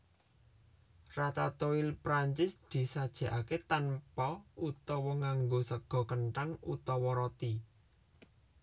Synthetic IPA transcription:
rat̪at̪oilpɾaɲt͡ʃɪsd̪̥i̤sad̥ʒ̥a̤ʔaket̪anpɔut̪ɔwɔŋaŋɡosəɡ̥ɔ̤kənʈaŋut̪ɔwɔɾɔt̪i

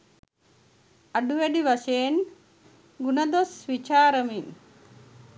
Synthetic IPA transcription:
ɐɖuʋeɖiʋɐʃeːn | ɡunɐd̪osʋit͡ʃaːɾɐmi

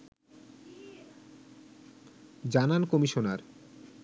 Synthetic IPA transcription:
d͡ʑanankomiʃonaɾ

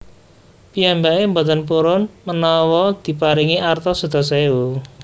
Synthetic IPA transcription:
pijambaembɔt̪ənpuɾʊnmənɔwɔd̪̥i̤paɾiŋiʔart̪ɔsud̪̥ɔ̤seu

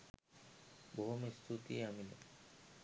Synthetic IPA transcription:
boɦomist̪ʰut̪ḭamilḛ

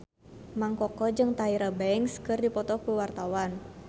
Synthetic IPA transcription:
maŋkɔkɔd͡ʒɨŋt̪aiɾabɛŋskɨrdipɔt̪ɔkuwart̪awan

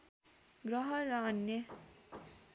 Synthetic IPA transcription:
ɡrʌɦʌrʌʌnjʌ

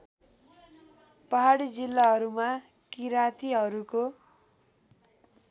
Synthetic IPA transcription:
pʌɦaɽid͡zilːaɦʌɾuma | kiɾat̪ʰiɦʌɾuko

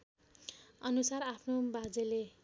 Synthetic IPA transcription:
ʌnusarapʰnobad͡zele

